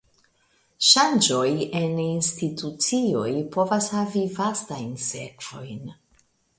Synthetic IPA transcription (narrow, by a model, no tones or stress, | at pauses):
ʃand͡ʒo̞jeninstitut͡sio̞jpo̞vashavivastajnse̞kv̥o̞̰jn